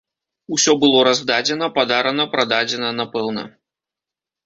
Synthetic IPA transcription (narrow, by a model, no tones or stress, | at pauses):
usʲɔbɨlˠɔɾazd̪ad͡zʲɛnɐpad̪aɾɐnɐpɾad̪ad͡zʲɛnɐnapɛwnɐ̰